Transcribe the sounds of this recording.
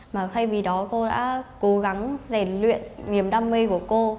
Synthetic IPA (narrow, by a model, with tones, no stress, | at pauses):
maː˨˩t̪ʰa˧jvi˨˩ɗɔ˨˦ko˧ɗa̰ː˧˥ko˨˦ɣa˨˦ŋzɛ˧˩nlwḭ˧˨ənːi˨˩˦əmɗaː˧mːi˧ku˧˩əko˧